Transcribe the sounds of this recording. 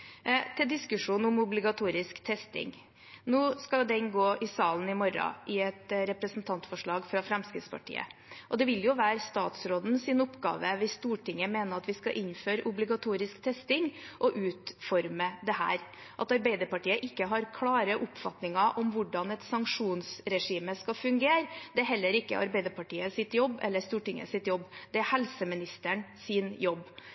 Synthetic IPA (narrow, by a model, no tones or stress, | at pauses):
t̪ʰɪld̪ɪskʉʂuːnʊmʊblɪɡɑt̪ʰuːɾɪskt̪ʰɛst̪ɪ̰ŋ | noːskɑd̪ɛɪnɡoːʔɪsɑːln̩ɪmɔɾɑ̰ʔɪɛt̪ɾɛpɾəsnt̪ʰɑnt̪fɔʂɭɑːɡfɾɑfɾɛmskɾɪt̪spʰɑ̰ʈʰḭːə̰ʔɔd̪ɛʋɪljʊʋæːɾst̪ɑ̰ːt̪sɾoːd̪n̩sɪnʊpːɡɑ̰ːʋəʋɪst̪uːʈʰɪŋːəmeːnəɾɑt̪ʋɪskɑʔɪnːføːɾəʔʊblɪɡɑt̪ʰuːɾɪskt̪ʰɛst̪ɪŋʔɔʔʉːt̪fɔɾməd̪ɛhæ̰ːɾ | ʔɑt̪ɑɾbæɪd̪əɾpɑʈiːəʔɪkːəɦɑɾkʰlɑːɾəʔʊpfɑt̪nɪŋɑʔɔmʋʊɖɑnɛt̪sɑŋkʂuːnsɾɛʂiːməskɑfʉŋɡeːɾd̪ɛɦɛlːəɾɪkːə̰ʔɑ̰ɾbæɪd̪əɾpɑʈiːəsɪt̪jɔbːɛ̰lːəst̪uːʈɪŋːə̰sɪt̪jɔbːd̪̥ɛæɾhɛlsəmɪnɪst̪əɳsɪːnjɔbː